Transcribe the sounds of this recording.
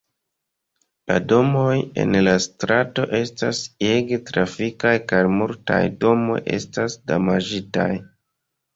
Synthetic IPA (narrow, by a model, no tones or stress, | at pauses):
lado̞moje̞̰nlastɾato̞ʔe̞staseɡtɾafikajkajmulta̰jdo̞mo̞̰jʔe̞̰stasdamad͡ʒita̰j